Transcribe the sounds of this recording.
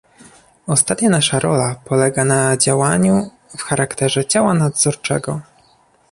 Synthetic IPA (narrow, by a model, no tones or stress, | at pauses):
ɔst̪at̪ɲanaʂaɾɔlapɔlɛɡanad͡ʑawaɲu | fxaɾʔakt̪ɛʐɛt͡ɕawanad̪zɔɾt͡ʂɛ̰ɡɔ